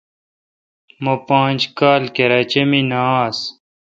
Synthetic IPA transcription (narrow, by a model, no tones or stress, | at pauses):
mopãːnʲd͡ʑkaːlkeɾaːt͡ɕeminaːs